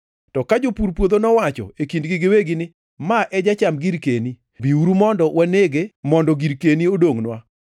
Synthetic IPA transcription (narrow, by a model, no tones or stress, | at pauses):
tɔkad͡ʒopuɾpwod̪onɔwat͡ʃɔ̰ekindɡɪɡɪweɡɪnɪ | maʔɛd͡ʒat͡ʃamɡiɾkeni | biuɾumɔndɔwʔaneɡemɔndɔɡiɾkeniodoŋnwa